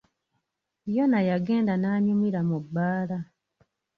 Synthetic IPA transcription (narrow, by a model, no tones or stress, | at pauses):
jo̞najaɡe̞ːndanaːɲumiɾamubːaːla